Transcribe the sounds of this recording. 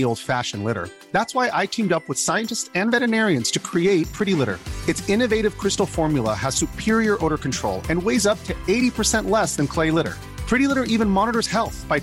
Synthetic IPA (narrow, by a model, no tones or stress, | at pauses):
ioʊlˠd̥fæʃɨ̃n̩lɪɾə̰˞ | ðætswaɪʔaɪtʰĩmdʌpwəð̥saɪɨ̃ntɨstsɨ̃nvɛɾɨnɛɹiɨ̃nz̥tʰɨkʰɹ̥ieɪt̚pʰɹ̥ɪɾilɪɾə̰˞ɨtsɪ̃nɨveɪɾɨv̥kʰɹ̥ɪstl̩ˠfɔɹmjlˠə̰əz̥sʉpʰɪɹiə˞ʔoʊɾə˞kn̩tʰɹ̥oʊlˠɨ̃nweɪzʌp̚tʰɨeɪɾipʰə˞sɛ̃nʔlɛsðɨ̃nkʰl̥eɪlɪɾə̰˞ | pʰɹ̥ɪɾilɪɾə˞ʔivɨ̃nmɑnəɾə˞z̥hɛlˠθb̥aɪ